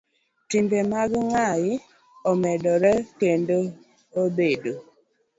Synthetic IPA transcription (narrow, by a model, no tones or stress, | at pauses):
timbemaɡŋajɪ | ɔmɛdɔɾɛkendo | obedo